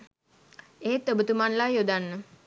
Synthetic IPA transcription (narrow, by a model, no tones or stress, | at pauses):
eɦet̪ːəbət̪umanlajod̪anːə